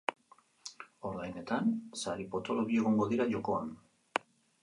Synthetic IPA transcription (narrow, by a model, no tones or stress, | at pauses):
o̞ɾɣajne̞t̪ansaɾipo̞t̪o̞lo̞ɣie̞ɣo̞ŋɡo̞ðiɾaʝo̞ko̞an